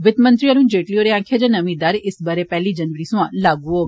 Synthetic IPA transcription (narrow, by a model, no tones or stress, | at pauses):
ʋɪt̪mə̃nt̪ɾiəɾũːd͡ʒeːʈlijoɾeãːkʰjed͡ʒanɐmĩd̪aːɾʔɪsbəɾepɛɦlid͡ʒɐnʋəɾisũãlaːɡũɦoː